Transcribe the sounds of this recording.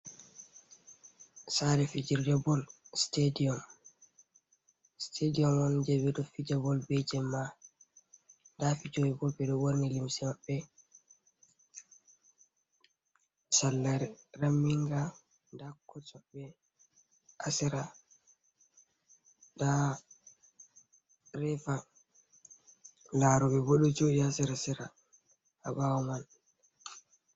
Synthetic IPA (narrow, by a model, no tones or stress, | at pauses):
saɾɛfid͡ʒiɾd͡ʒabɔlstediɔm | stʰediɔmɔnd͡ʒebɛɗɔfid͡ʒabɔlbed͡ʒɛmːa | ndafid͡ʒoɛbɔbɛɗɔwoɾnilimsimabːɛ | salːaɾramːiŋɡa | ndakːɔt͡ʃɔɓɛ | ʔasɛɾa | da | ɾɛfa | laɾɔbɛboɗɔt͡ʃodiasɛɾasɛɾa | a̰bawɔman